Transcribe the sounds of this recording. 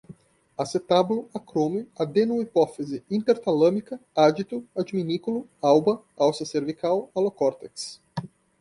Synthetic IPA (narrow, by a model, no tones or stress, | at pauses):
aset̪ablʊakɾõmiad̪enuipɔfezɪĩnt̪eɾt̪alɐ̃mikɐad͡ʒit̪ʊad͡ʒiminikulʊawbɐ | awsɐseɾvikawalokɔɾt̪eks